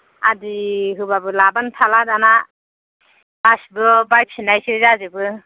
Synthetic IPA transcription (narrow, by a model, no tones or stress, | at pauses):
adiɦɯbabɯlabantʰaladana | basbɯbajp̚sʰinajsɯzazɯbɯ